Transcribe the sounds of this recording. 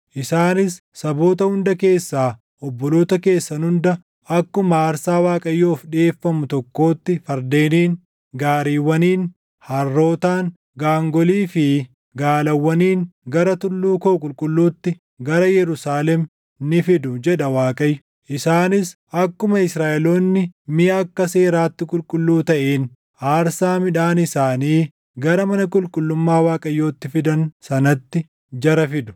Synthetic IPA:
ʔɪsaːnɪsːɐbo̞ːt̪ɐhʊnd̪ɐke̞ːsːaː | ɔbːɔlo̞ːt̪ɐke̞ːsːɐnʊnd̪ɐ | ɐkːʊmɐaːɾsaːwaːkʼɐjːo̞ːfᶑɪeːfːɐmʊt̪ɔkːo̞ːt̪ːɪfɐɾd̪e̞ːniːŋ | ɡaːɾiːwːɐniːn | hɐrːo̞ːt̪aːŋ | ɡaːŋɡɔliːfɪ | ɡaːlɐwːɐniːŋɡɐɾɐt̪ʊlːuːkoːkʼʊlkʼʊlːuːt̪ːɪ | ɡɐɾɐjɛɾʊsaːlɛm | nɪfɪd̪ʊd͡ʒɛᶑɐwaːkʼɐjːʊ | ʔɪsaːnɪsʔɐkːʊmɐɪsɾaːʔɛloːnːɪmɪjɐɐkːɐse̞ːɾaːt̪ːɪkʼʊlkʼʊlːuːt̪ɐʔeːn | ʔaːɾsaːmɪᶑaːnɪsaːniː | ɡɐɾɐmɐnɐkʼʊlkʼʊlːʊmːaːwaːkʼɐjːo̞ːt̪ːɪfɪd̪ɐnsɐnɐt̪ːɪ | d͡ʒɐɾɐfɪd̪ʊ̥

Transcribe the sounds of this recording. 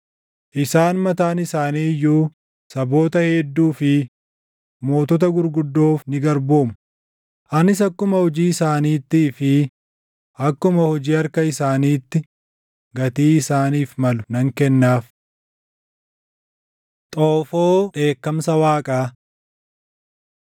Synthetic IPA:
ʔɪsaːnmɐt̪aːnɪsaːniːjːuː | sɐbo̞ːt̪ɐhɛd̪ːuːfɪ | mo̞ːt̪ɔt̪̬ɐɡʊɾɡʊd̪ːo̞ːfnɪɡɐɾbo̞ːmʊ̥ | ʔɐnɪs̬ɐkːʊmɐhɔd͡ʒiːɪsaːniːt̪ːiːfɪ | ʔɐkːʊmɐhɔd͡ʒiːɐɾkɐɪsaːniːt̪ːɪ | ɡɐt̪iːɪsaːniːfmɐlʊnɐŋkɛnːaːf | t̪ʼoːfoːᶑe̞ːkːɐmsɐwaːkʼaː

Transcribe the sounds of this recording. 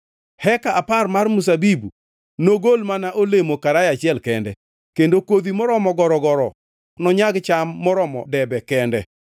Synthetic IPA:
hɛkaaparmarmus̬abibu | noɡolmanaʔolemokaɾajat͡ʃɪɛlkɛndɛ | kendokwod̪imɔɾɔmɔɡɔɾɔɡɔɾɔ | nɔɲaɡt͡ʃamːɔɾɔmɔ̰dɛbɛkɛndɛ

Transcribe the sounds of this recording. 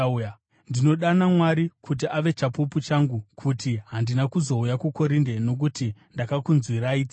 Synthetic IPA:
j | ndino̞ɗanamwaɾikʰut̬iʔaʋe̞t͡ʃapuput͡ʃaŋɡukʰutiɦandinakuzo̞ujakuko̞ɾinde̞no̞k̬utindakakunzwiɾaiːd͡zi

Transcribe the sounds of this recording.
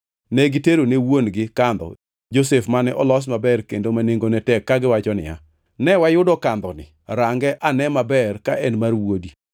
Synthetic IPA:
nɛɡɪteɾonewonɡɪkand̪ɔ̰ | d͡ʒosefmanɛʔɔlɔs̬mabɛrkendomaneŋɡonɛtɛkːaɡɪwat͡ʃɔnɪ̰ja̰ | nɛwajʊdɔkand̪ɔnɪ̰ | ɾaŋɡɛʔanɛmabɛrkaɛnmarwodi

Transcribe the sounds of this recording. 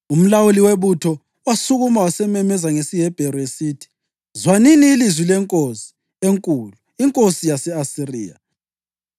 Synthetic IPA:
um̩lawuliweβutʰɔ | wasuɣumawasɛmɛmɛzaŋesiɦɛb̥ʱɛɾɔesiːtʰi̥ | zwaniniːlizwilɛŋkʼosi̥ | eŋkʼuluiŋkʼosijasɛasirḭːa̰

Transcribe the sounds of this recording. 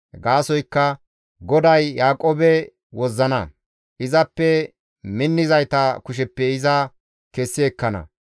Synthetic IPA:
ɡaːsɔjkːɐ | ɡɔd̪ɐjːaːkʼːoːbɛ | wɔzːɐnɐ | ʔɪzɐpːɛ | mɪnːɪzɐjt̪ɐkʊʃ̬ɛpːɛɪzɐ | kɛsːɪɛkːɐnɐ̰

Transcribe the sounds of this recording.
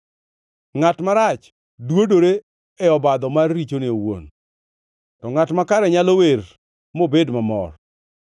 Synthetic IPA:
ŋatmaɾat͡ʃ | dwodoɾe | ɛɔbad̪ɔmarːit͡ʃonɪowo̰n | tɔŋatmakaɾɛɲalower | mobedmamɔ̰r

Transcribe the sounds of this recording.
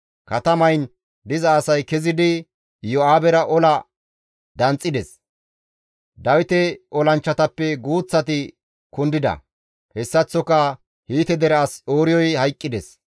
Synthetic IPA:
kɐt̪ɐmɐjn | d̪ɪzɐːsɐjkɛzɪd̪ɪ | jɔaːbɛɾɐʔɔlɐ | d̪ɐnt͡sʼːɪd̪ɛs | d̪ɐwɪt̪ɛɔlɐnt͡ʃːɐt̪ɐpːɛɡuːt͡sːɐt̪ɪ | kʊnd̪ɪd̪ɐ̰ | hɛsːɐt͡sːɔkɐ | hiːt̪ɛd̪ɛɾɛɐsoːɾɪjɔjhɐjkʼːɪd̪ɛs

